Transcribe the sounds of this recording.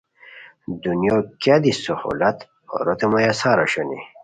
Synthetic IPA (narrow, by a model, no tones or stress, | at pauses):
d̪unjokjad̪isoho̰lat̪ | o̰ɾot̪emojasaɾaɕanḭ